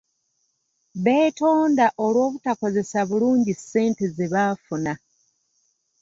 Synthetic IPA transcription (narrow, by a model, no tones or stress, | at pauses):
βe̞ːto̞ːndaʔolwo̞ːβutako̞ze̞saβuluːɲɟise̞ːntezeβaːfuna